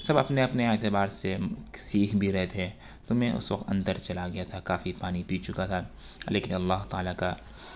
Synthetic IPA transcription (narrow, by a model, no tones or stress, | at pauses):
sɐbɐpneɐpneeːt̪ebaːɾsesiːkʰbʱiɾɛɦet̪ʰẽ | t̪omɛ̃ʊ̰swɐkt̪ɐ̰̃nd̪əɾt͡ʃɐlaɡɐjat̪ʰakaːfipaːnipiːt͡ʃʊkat̪ʰa | leːkɪnɐlːaːɦt̪aːlaka